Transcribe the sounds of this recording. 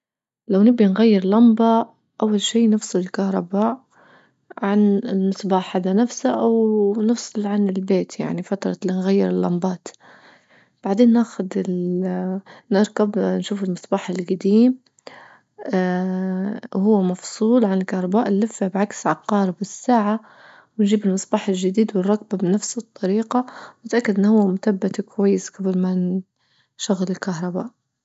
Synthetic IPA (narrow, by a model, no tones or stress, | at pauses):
lawnɪbːinɣajːɪɾlɑmbɑʔ | ʔawːalʃiːnɨfsˤɨlɪlkahɾˤɑbaːʔ | ʕanɪlmɨsˤbɑːħhaːd̪anafsaʔawnɨfsˤɨlʕanɪlbeːt̪ja̰ʕnifat̪ɾˤɑ̰linɣajːɪɾɪlːɑmbɑːt̪ | b̥aʕd̪eːnːaːxʊd̪ɪl | nɪɾˤkabnʃuːfɪlmɨsˤbɑːħɪlɡad̪iːm | hʊwːamɑfsˤuːlʕanɪlkahɾˤɑbaːʔnlɪfːɪbʕaksʕɑqːɑːɾˤbɪsːaːʕa | wɪnʒiːbɪlmɨsˤbɑːħɪlʒad̪iːd̪wɪrˤːɑk̚babnafsɨt̪ˤːɑɾiːqɑwnɪt̪ʔakːad̪ʔɪnːhʊwːamʊt̪abːat̪kwajːɪsɡ̥ablman | ʃʊɣalɪlkaɦɾˤɑba̰ːʔ